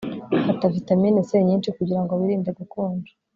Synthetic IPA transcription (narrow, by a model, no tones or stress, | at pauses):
atafitamineseɲiːnt͡ʃikuɟiɾaŋɡoβiɾiːndeɡukuːnd͡ʒu̥